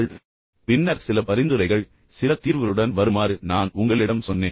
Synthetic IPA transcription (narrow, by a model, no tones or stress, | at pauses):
ɭ | pɪnːɐɾsɪlɐpɐɾɪnd̪ɯɾɐɪɣɐɭ | sɪlɐt̪iːɾʋɐlɯɽɐnʋɐɾɯmaːɾɯnaːnʊŋɡɐɭɪɽɐmsɔnːeː